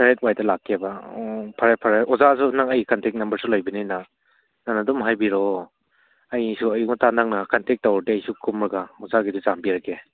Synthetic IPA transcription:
saɾet̚wajdɐlakʰːebapʰaɾajpʰaɾajɔzas̬unaŋɐjkantek̚nɐmbɐɾsulojbɐnina | nanadɔmɦajbiɾɔ | ajsuɐjuk̚natanaŋnakantek̚tawɾdeajsukʰumɾɐɡaɔzaɡidizambiɾaɡe

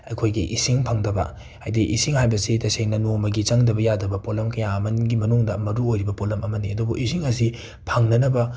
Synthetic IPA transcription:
ɐjkʰojɡiʔisiŋpʰɐŋdɐbɐ̰ | a̰jdiʔisiŋhajbɐsitɐseŋnɐnomɐɡit͡ʃɐŋdɐbɐjadɐbɐpolɐmkɐjaɐmɐnɡimɐnuŋdɐmɐɾuojɾibɐpolɐmɐmɐniɐdubuʔisiŋɐs̬i | pʰɐŋnɐnɐbɐ

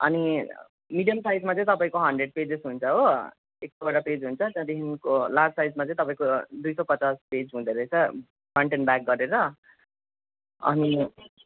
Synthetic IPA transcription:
ʌ̰ni | miɖijʌmsajd͡zmat͡sʌ̃ĩt̪ʌpaĩkoɦʌɳɖreɖ̚ped͡zesɦunt͡sʰʌɦo | ek̚tobʌɽaped͡zɦunt͡sʰʌd͡zãd̪eɦinkolad͡zsajd͡zmat͡sʌ̃ĩt̪ʌpaĩkod̪ujsʌpʌt͡sasped͡zɦũd̪ʌɾʌt͡sʰʌ | pʰʌɳʈenbak̚ɡʌɾeɾʌ | ʌ̰ni

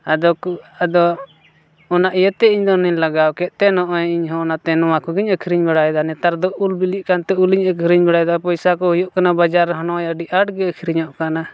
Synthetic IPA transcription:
ad̪ɔkad̪ɔː | naʔijət̪ɛiɲd̪ɔniɲlaɡawkɛʔ̪̚ˀt̪ɛnɔʔɔiɲɦɔ̃nat̪ɛnɔwãkɔɡiɲəkʰiɾiɲbaɽajd̪anɛt̪aɾd̪ɔulbiliʔkant̪ɛuliɲəkʰiɾiɲbaɽajd̪apɔjsakɔhujɔʔkanabad͡ʒaɾːɛɦɔnɔjəɖiʔaɖɡɛəkʰiɾiɲɔʔkana

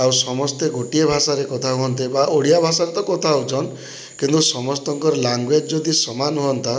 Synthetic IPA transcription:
awsɔmɔst̪eɡʱoʈiebʱasaɾekɔt̪ʰaɦuɦɔnt̪ibaʔoɽijabʱasaɾet̪ɔkɔt̪ʰaut͡ʃʰɔn | kint̪usɔmɔst̪ɔŋkɔɾelaŋɡwed͡ʒd͡ʒod̪isɔmanɦuɔnt̪a

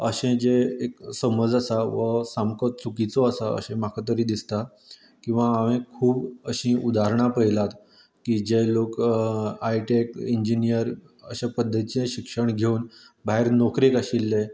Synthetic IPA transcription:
ə̰ɕẽd͡ʑeeksəməd͡zasaʋəsamkət͡sukit͡sɔəsaə̰ɕẽmakʰat̪̬əɾiːd̪ist̪a | kĩw̃ʋaːʋẽkʰuːbəɕĩʔud̪aɾɳ̃apəɦilat̪ | kiːd͡ʑelokajʈekiɲd͡ʑinijəɾ | ə̰ɕãpəd̪ʱːət̪it͡sẽɕikʂəɳɡʱeuːn | bʱaɦeɾnɔkɾikaɕilːe

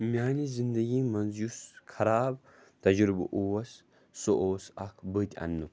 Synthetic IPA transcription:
mʲjaːnizind̪ɐɡiːmɐnzjuskʰɐɾaːb | t̪ɐd͡ʒɾubɨ̰ʔuwɐs | soʔoːsɐ̰kʰbɨt̪ʲɐ̰nːɨ

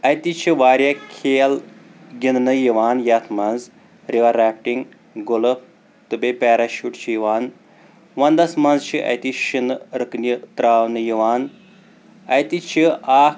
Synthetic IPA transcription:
ɐjt̪it͡ʃʰiʋaːɾʲjakʰeːlɡʲinnɨjiʋaːnjat̪ʰmɐnz | ɾiʋaɾaːk̚ʈiŋ | ɡoləp̚ | t̪ɨbepɛːɾaʃuʈt͡ʃʰijiʋaːn | ʋɐnd̪ɐsmɐnzt͡ʃʰiʔɐ̰jt̪iʃinɾɨknit̪ɾaːwnɨjiʋaːn | ɐjt̪it͡ʃʰiaːk

